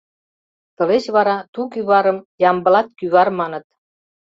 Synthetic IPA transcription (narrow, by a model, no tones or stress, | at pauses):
t̪ɤ̆let͡ɕβɑɾɑt̪uk̬yβɑɾəmjɑmbə̆lɑt̪̚kyβɑrmɑnɤ̆t̪̚